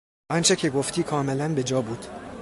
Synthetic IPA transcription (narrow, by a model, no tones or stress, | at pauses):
ʔɒnt͡ʃʰecʰe̞ɡoft̪ʰiːkʰɒːme̞lænbe̞d͡ʒɒːbuːd̪̥